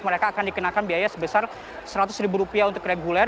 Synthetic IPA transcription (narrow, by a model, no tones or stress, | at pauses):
məɾekaːkandikənakanbiajasəbəsar | səɾat̪ʊsɾibuɾupiaunt̪ʊkreɡulɛ